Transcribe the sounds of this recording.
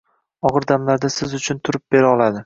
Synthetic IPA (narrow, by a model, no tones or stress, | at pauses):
ɒʁɨɾd̪amlaɾd̪asɪzʊt͡ʃʰʊnt̪ʰʊɾɪp̚b̥e̞ɾaɒlˠad̪ɪ